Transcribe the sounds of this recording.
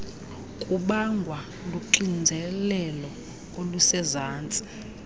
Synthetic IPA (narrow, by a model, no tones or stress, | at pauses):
kʼuɓaŋɡʱwa | luǃind͡zʱɛlɛlɔ | olusɛzaːnt͡sʼi̥